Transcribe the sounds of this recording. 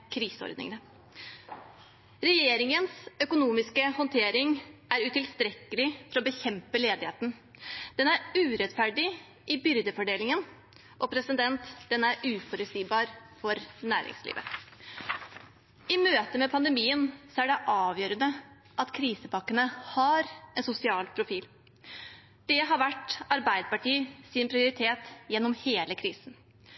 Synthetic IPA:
kʰɾiːsəɔ̰ɾd̪nɪ̰ŋnə | ɾɛjeːɾɪŋənsœkʊnuːmɪskəhɔnt̪ʰeːɾɪŋæɾʉt̪ɪlst̪ɾɛkːəlɪfɔɾɔbəçɛmpəleːd̪ɪheːt̪n̩d̪̥ɛnæɾʉːɾɛt̪fæɖɪ | ʔɪbʏɾd̪əfɔɖeːlɪŋən | ʔɔpʰɾɛsəd̪ɛnt̪d̪̥ɛnæɾʉːfɔɾʉt̪siːbɑːɾfɔɾnæːɾɪ̰ŋslḭːʋə̰ | ɪmøːt̪əmɛpʰɑnd̪əmiːənsɔæɖɛʔɑːʋjøːɾənə | ʔɑt̪kʰɾiːsəpɑkːənəhɑɾɛnsʊsɪɑːlpʰɾʊfiːl | d̪̥ɛɦɑɾʋæʈːɑɾbæɪd̪əpɑʈiːəsɪnpʰɾɪʊɾɪt̪ʰeːt̪jɛnːɔmheːləkʰɾiːsn̩

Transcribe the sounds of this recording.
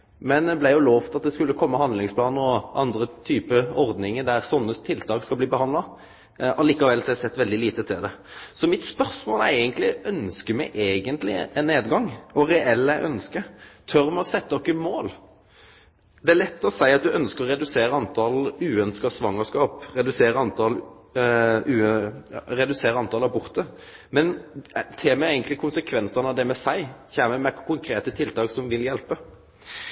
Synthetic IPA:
mɛnd̪ɛblæɪjʊloːʋt̪ɑt̪̚d̪ɛskʉlːəkʰɔmːəhɑnd̪lɪŋspʰlɑːnəɔʔɑnd̪ɾət̪ʰyːpəɔʁd̪nɪŋəd̪æɾsɔnːət̪ʰɪlt̪ʰɑːkskɑbliːbəhɑnd̪lɑ | ʔɑliːkɑʋɛlsɔæsɛt̪ːʋɛld̪ɪliːt̪ət̪ʰɪld̪ɛsɔmɪt̪spœʁsmoːlæɾæɪɡənt̪lɪœnskəmæɪʔeːɡənt̪lɪ̰ɛnːeːd̪ɡɑŋɔɾɛʔɛlːæɪʔœnskət̪ʰœɾmɛɔsɛt̪ːəɔkːəmoːl | d̪ɛælɛt̪ːɔsæɪɑt̪̚d̪ʉʔœnskəɾɔɾɛd̪ʉseːɾəɑnt̪ʰɑlʉːœnskəsʋɑŋːəskɑːpʁɛd̪ʉseːɾəɑnt̪ʰɑl | ʉː | ɾɛd̪ʉseːɾəɑnt̪ʰɑːlɑbʊʁt̪ə | mɛnt̪ʰeːmɛeɪɡənt̪lɪkʰʊnsəkʰʋɛnsənɑʋd̪ɛmɛsæɪçæːməmɛkʰʊŋkʰɾeːt̪ət̪ʰɪlt̪ʰɑːksɔmʋɪljɛlpə

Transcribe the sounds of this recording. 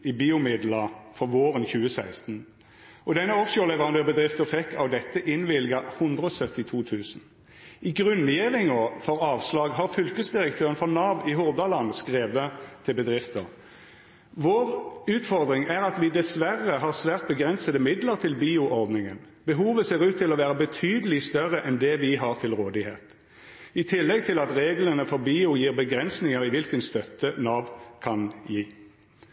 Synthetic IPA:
ɪbiːʊmɪd̪ləʁfɔʁʋoːʁənçʉːəsæɪst̪n̩ | ʔɔd̪ɛnːəɔkʃʊlɛʋəʁɑnd̪øːʁbəd̪ʁɪft̪əfɛkʰːɑʋd̪ɛt̪ːəʔɪnʋɪlɡɑhʊnd̪ʁəɔsœt̪ɪt̪ʰuːt̪ʰʉːsn̩ | ɪɡʁʉnjeːʁɪŋɔfɔʁɑːʋslɑːɡɦɑːʁfʏlkəsd̪ɪʁək̚t̪ʰøːʁənfɔʁnɑːʋɪɦʊʁd̪ɑlɑnskʁeːʋət̪ʰɪlbəd̪ʁɪft̪əʁ | ʋoːʁʉːt̪fɔʁd̪ʁɪŋæʁɑt̪ʋɪd̪ɛsʋæʁːəɦɑʁsʋæːʁt̪̚bəɡʁɛnsəd̪əmɪd̪ləʁt̪ʰɪlbiːʊʔɔɾd̪nɪŋən | bəɦuːʋəseːʁʉːt̪ʰːɪlɔʋæːʁəbət̪ʰyːd̪əlɪst̪œʁəʔɛnd̪ɛʋɪɦɑʁt̪ʰɪlʁoːd̪ɪhḛːt̪ | ɪt̪ʰɪlːɛɡ̚t̪ʰɪlɑt̪ʁeːɡlənəfɔʁbiːʊjiːʁbəɡʁɛnsnɪŋəʁɪʋɪlkənst̪œt̪ːənɑːʋkʰɑnjiː

